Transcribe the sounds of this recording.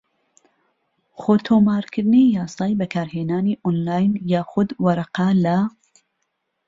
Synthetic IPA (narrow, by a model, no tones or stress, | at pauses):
xoːt̪ʰoːmaːɾkʰɨɾnejɑːsɑːjbɐkʰaːɾheːnaːniːʔonlaːjnjaːxʊd̪wɐɾɑqala